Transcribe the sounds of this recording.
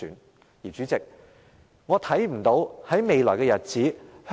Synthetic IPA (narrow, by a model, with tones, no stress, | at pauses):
yː˨˥n | jiː˨˩t͡ʃyː˨˧˥t͡sɪ˨k̚ | ŋɔː˨˧t̪ʰɐ˨˥jm̩˨˩t̪o˨˧˥whɐ˨˥jme˨˧jlɔː˨˩jkɛː˧jɐ˨t̚t͡siː˨˥h